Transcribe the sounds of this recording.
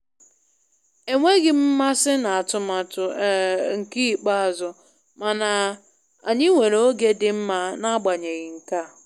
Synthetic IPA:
e˨ŋʷe˦ɣɪ˨m̩˦ma˦sɪ˦na˨a˨tʊ˨ma˨tʊ˨˦ŋ̩˨ki˦˨k͡pa˦a˨zʊ˨ | ma˨na˨ | a˨ɲɪ˦ŋʷe˨ɾo˦ɡe˦dɪ˨m̩˦ma˦na˦a˦ɡ͡ba˨ɲe˨ɣɪ˨ŋ̩˨ka˦˨

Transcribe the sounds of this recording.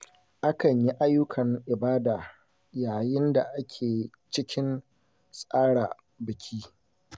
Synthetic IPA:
ʔa˦kɐ˨ɲji˦ʔa˦jːʊ˦kʰɐ˨ŋʔɪ˨baː˦daː˨ | jaː˨jɪ˦nda˨ʔa˦kʲʰeː˨ | t͡ʃɪ˦kʲʰɪ˦n | sʼaː˦ɽa̰˨ | bɪ˨kʲʰiː˦

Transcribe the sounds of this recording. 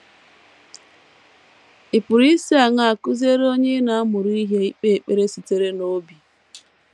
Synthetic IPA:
i˨pʊ˨ɾi˦si˦a˨ŋa˨a˨kʊ˦ze˦ɾo˦ɲe˦na˨a˦mʊ˨ɾi˦i˦ɦe˦i˦k͡pe˦e˨k͡pe˦ɾe˦si˨te˦ɾe˦no˨˦bi˨

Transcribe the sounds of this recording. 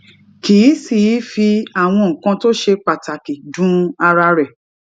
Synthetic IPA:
ki˨˦si˨i˨˦fi˧a˨w̃ɔ̃˧ŋ̩˨kã˧to˦ʃe˧k͡pa˨ta˨ki˨dũ˨˦a˧ɾa˧ɾɛ˨

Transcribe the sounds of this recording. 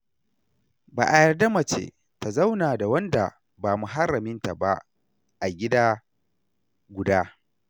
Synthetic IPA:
ba̰ː˨ʔa˨jɐ˨rda˦mɐ˨t͡ʃḛ˨ | ta˨za˦wnaː˨da˨wɐ˦nda̰˨ | baː˨mʊ˨ɦa˦ɾɐ˨mɪ˦nta˨ba˦ | ʔa˨ɡʲɪ˦daː˦ | ɡʷʊ˨daː˦

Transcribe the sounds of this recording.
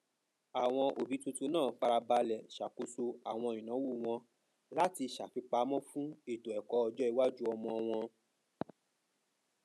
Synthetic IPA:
a˨w̃ɔ̃˧ʔo˨bi˨˦tu˧tu˧nãː˦˨fa˧ɾa˧ba˧lɛ˨ʃa˨ko˧so˧a˨w̃ɔ̃˧ĩ˨nã˨˦wu˦˨w̃ɔ̃˧ | la˦ti˧ʃa˨fi˧k͡pa˧˦mɔ̃˦fũ˦i˦˨to˨ɛ˨kɔ˨˧˦ɔ˧d͡ʒɔ˦i˧wa˦d͡ʒu˦ɔ˧mɔ̃˧w̃ɔ̃˧

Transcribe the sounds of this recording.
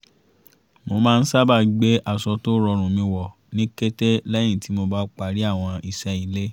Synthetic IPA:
mo˧mãː˦˧n̩˦sa˦ba˦˨ɡ͡be˦ʔa˨sɔ˧to˦ɾɔ˧ɾ̃ũ˨mĩ˧wɔ˨ | nĩ˦ke˦te˦lɛ˦j̃ĩ˦˨ti˨˦mo˧ba˦k͡pa˧˨ɾi˦a˦˨w̃ɔ̃˧i˨ʃɛ˧i˨le˦

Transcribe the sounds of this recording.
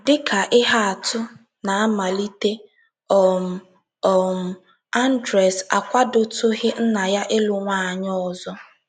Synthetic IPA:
dɪ˦kʰa˨ʔɪ˦ɦa˦a˨tʊ˦ | na˨a˦ma˨li˦te˦ | ɔ˨m̩˨ | ɔ˨m̩˨ | a˦n̩˦dɾɛ˨sa̰˨kʷa˦do˦tʊ˦ɦɪ˦n̩˦na˨ja˦ʔɪ˦lʊ˨ŋʷa˦˨a˨ɲɔ˦ɔ˦˨zɔ˦

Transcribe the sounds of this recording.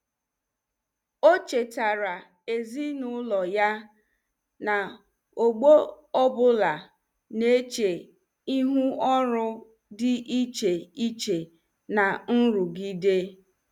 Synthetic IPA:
o˦t͡ʃe˨ta˨ɾa˨ | e˨zi˦nʊ˦lɔ˨ja˦ | na˨ | o˨ɡ͡bo˦ | ɔ˦bʊ˦la˨ | ne˦t͡ʃe˨ | i˦ɦu˦ɔ˦ɾʊ˦ | dɪ˦ʔi˦t͡ʃe˨i˦t͡ʃe˨ | na˨n̩˦ɾʊ˨ɡi˦de˦

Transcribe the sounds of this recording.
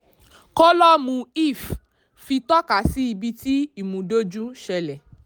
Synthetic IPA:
kɔ˦lɔ˦mũ˧i˦˨f | fi˧tɔ˦ka˨˦si˦i˧bi˧ti˦i˦˨mũ˨˦do˦d͡ʒũ˦ʃɛ˧lɛ˨

